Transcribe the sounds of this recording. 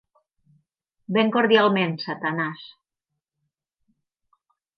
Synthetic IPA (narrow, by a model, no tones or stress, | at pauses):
beŋkoɾðjalˠmensat̪anas